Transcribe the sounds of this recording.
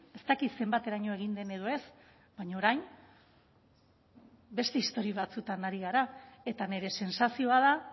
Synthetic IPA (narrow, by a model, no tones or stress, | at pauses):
e̞st̪akit̪se̞mbat̪e̞ɾaɲo̞e̞ɣ̞ind̪e̞ne̞ðo̞e̞s | baɲaoɾajm | be̞st̪e̞ist̪o̞ɾiβat͡sut̪anaɾiɣaɾae̞t̪ane̞ɾe̞se̞nsasio̞aða